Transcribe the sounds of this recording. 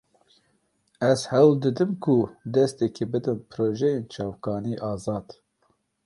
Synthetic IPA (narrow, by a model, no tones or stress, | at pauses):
ɛzhɛwld̪ɨd̪ɨmkʰud̪ɛst̪ɛkʰebɨd̪ɨnpʰɾoːʒɛjent͡ʃʰɑːvkɑːniːʔɑːzɑːd̪̥